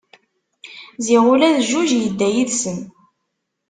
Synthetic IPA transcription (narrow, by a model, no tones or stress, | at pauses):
ziʁʊlæðʒuʒjəd̪ːæjiðsən